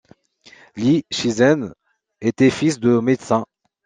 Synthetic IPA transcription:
liʃizɛn | et̪ɛfisd̪əmed̪sɛ̃

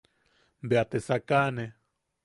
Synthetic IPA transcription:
mbeat̪esakane

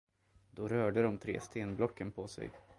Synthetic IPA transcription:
d̪̥ɔɾœːɖəd̪ɔmt̪ʰɾḛːst̪ʰeːnblɔkːənpʰɔsɛ̰j

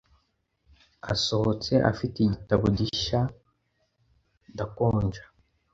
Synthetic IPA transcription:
a̰so̞hot͡se̞ʔa̰fitiɟitaβoɟiʃa | dakoːɲd͡ʒḁ

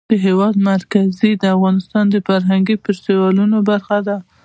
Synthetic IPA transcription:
əɦewɑd̪maɾkazid̪əafɣɑnɪst̪ɑnd̪əfaɾɦaŋɡepəɾsewɑlunobaɾxad̪a

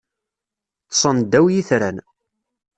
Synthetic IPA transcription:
t̪sˤənd̪æwjiθɾæn

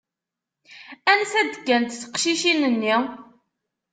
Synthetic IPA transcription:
ænsæd̪kːænt̪θə̥qʃiʃinənːi

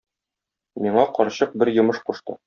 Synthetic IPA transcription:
miɴɑqɒɾɕɤq̚bɘɾjɤ̆mɤʃquʃt̪ɤ̰

